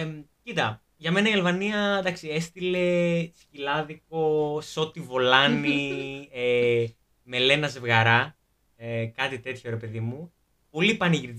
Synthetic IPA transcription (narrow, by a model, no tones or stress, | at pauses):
cit̪ɐ | ʝɐme̞nɐielvɐniɐd̪ɐksie̞st̪ile̞scilɐðiko̞so̞t̪ivo̞lɐnie | me̞le̞nɐzvɣɐɾɐ | ekɐt̪it̪e̞t̪ço̞ɾe̞pe̞ðimu | po̞lipɐniʝiɾt